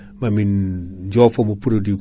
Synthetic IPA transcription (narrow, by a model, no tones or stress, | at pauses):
mamind͡ʒofomopuɾodik